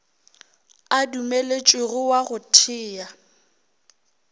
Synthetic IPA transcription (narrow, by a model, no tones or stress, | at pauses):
adumelet͡ʃʼɪɣʊwaɣʊtʰɪːja